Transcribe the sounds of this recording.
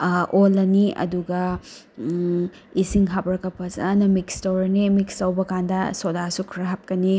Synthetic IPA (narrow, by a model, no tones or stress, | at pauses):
ʔolːɐniɐ̰duɡɐ | isiŋɦɐp̚ɾɐkɐpʰɐsɐ̰nɐmikstɐwɾɐnimikstɐwbɐkandɐsodasukʰɾɐɦɐp̚kɐni